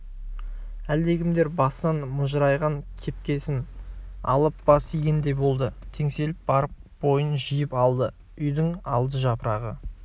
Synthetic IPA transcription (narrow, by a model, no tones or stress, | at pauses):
æld̪e̞ɡʲɪmd̪e̞ɾbɑsnɑnmʊʒɾɑjʁɑŋkʲʰe̞p̚kʲe̞sɪnɑ̰lˠəp̚b̥ɑsijɡʲɪnd̪e̞jbo̞lˠd̪ət̪ʰe̞ŋse̞lɪp̚bɑɾəp̚bo̞jənʒijɪpɑlˠd̪ə | ʏjd̪ɪŋɑlˠd̪əʒɑpəɾɑʁə̰